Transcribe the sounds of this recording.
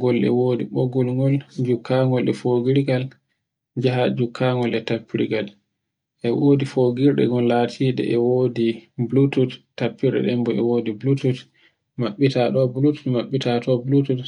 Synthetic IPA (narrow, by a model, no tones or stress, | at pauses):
ɡɔlɛ̰woːdiɓoɡɔlŋɡɔld͡ʒukʰːaŋɡɔlɛfoɡiɾiɡal | d͡ʒaɦad͡ʒukʰːaŋɡɔlɛtapːiɾiɡal | ʔɛwoːdifoɡiɾɗɛ̰ɡɔlːatʰiːɗɛ̰ʔɛwoːdiblututtːapːiɾɗɛ̰ɗɛmbɔɛwoːdiblutut | maɓːitaɗɔblutu̥tmaɓːitatʰɔblutut